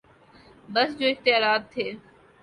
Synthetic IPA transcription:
bəsd͡ʑoːɪxt̪ɪjaːɾaːd̪̚t̪ʰeː

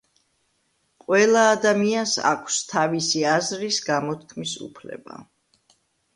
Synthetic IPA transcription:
qʼwɛlˠaːd̪amiansa̰kʷʰst̪ʰavisiazɾisɡamɔt̪̚ʰkʰmisṵpʰlɛ̰ba̰

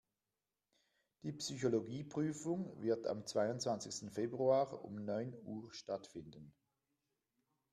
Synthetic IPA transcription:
d̥iːpsyçoloɡiːpʁ̥yːfʊŋvɪɐtʰa̰mt͡sv̥aɪʊntv̥ant͡sɪçstn̩febʁuaːʁʊ̰mnɔʏnuːʁʃtatfɪndən

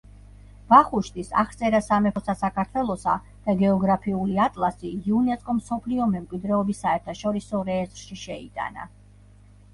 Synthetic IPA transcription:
b̥aχuʃt̪ʼisa̰χt̪sʼɛɾasamɛpʰɔsasakʰaɾt̪ʰwɛlˠɔsa̰ | d̪̥aɡɛɔɡɾapʰiuliat̪ʼlˠasiiunɛt̪sʼkʼɔmsɔpʰliɔmɛmkʼwid̪ɾɛɔbisːaɛɾt̪ʰaʃɔɾisɔɾɛːzɾʃiʃɛḭt̪ʼa̰na̰

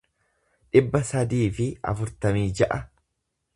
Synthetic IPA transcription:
ᶑɪbːɐsɐd̪iːfɪɐ̰fʊɾt̪ɐmiːd͡ʒɐʔɐ

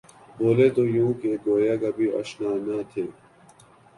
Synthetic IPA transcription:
boːleːt̪ojũːkeɡoːjaɡɐbʱiɐ̰ʃnaːnaːt̪ʰeː

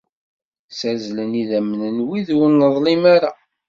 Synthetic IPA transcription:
sæɾzləniðæmnənwiðwənːəðˤlimaɾa

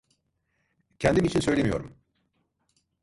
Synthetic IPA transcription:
cʰɛnd̪imit͡ʃʰinsø̞jlemijo̞ɾum

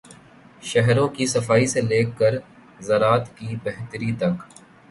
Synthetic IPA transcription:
ʃɛɦɾõkisɐfaːiseleːkːəɾ | zɐɾaːt̪kibɛɦt̪əɾit̪ɐ̃k

